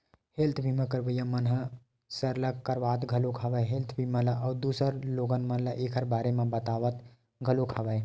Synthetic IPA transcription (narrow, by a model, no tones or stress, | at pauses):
helt̪ʰbʱimə̃kəɾbəjãmənɦə | səɾləkəɾbat̪ɡʱəlokʰabəjɦelt̪ʰbʱimə̃laʔəwd̪usəɾloɡənmənlaʔekʰəɾbaːɾemebət̪aʋət̪ | ɡʱəlokʰabəj